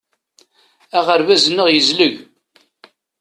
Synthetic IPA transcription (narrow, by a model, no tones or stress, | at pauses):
æʁəɾvæzənːəʁjəzləʝ